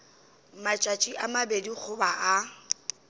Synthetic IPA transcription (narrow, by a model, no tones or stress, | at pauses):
mat͡ʃʼat͡ʃʼiʔamabedik͡xʰʊbaʔa